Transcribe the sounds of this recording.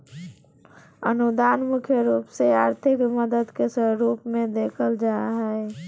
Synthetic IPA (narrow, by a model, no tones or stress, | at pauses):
ə̰nud̪aːnmʊkʰjəɾuːpseaːɾt̪ʰɪkməd̪əd̪kesəɾuːpmẽd̪eːkʰəld͡ʒaːɦɛe